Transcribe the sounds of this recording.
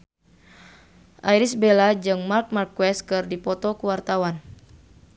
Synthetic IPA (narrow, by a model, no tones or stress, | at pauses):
ʔajɾisbelad͡ʒɨŋmark̚markwɛs̚kɨrdipɔt̪ɔkuwart̪awan